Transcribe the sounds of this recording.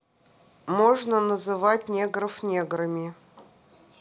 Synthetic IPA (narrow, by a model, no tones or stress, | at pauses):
moʐnənəzɨvatʲnʲeɡɾəfnʲeɡɾɨmʲɪ